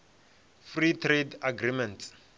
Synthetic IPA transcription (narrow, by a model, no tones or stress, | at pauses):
fritʰredaɡɾimɛnt